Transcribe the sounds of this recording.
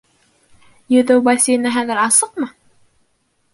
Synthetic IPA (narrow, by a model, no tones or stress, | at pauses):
jɵ̆ðɘwbɑsʲijnɘɦæðɘɾɑsɤqmɤ